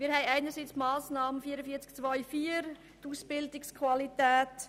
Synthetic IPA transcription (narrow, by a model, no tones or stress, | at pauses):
miːɾhɛɪæɪnəɾsit͡smɑːsnɑːmənfiːəɾəfiːt͡skt͡sʋɔʏfiːəɾ | tusb̥ɪldɪkskʰvalitæːt